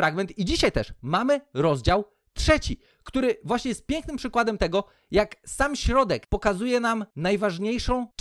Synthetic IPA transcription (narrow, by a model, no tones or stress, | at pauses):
ɾaɡmɛnt̪id͡ʑiɕajt̪ɛʂmamɘɾɔzd͡ʑaw | tʂɛt͡ɕi | kt̪uɾɘvwaɕɲɛjɛst̪̚pʲjɛŋknɘmpʂɘkwad̪ɛmt̪ɛɡɔ | jaksamɕɾɔd̪ɛkpɔkazujɛnamnajvaʐɲejʂɔ̃w̃